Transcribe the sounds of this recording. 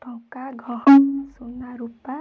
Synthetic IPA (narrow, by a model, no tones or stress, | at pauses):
t̪ɔkaɡʱɔɦɔnsunaɾupa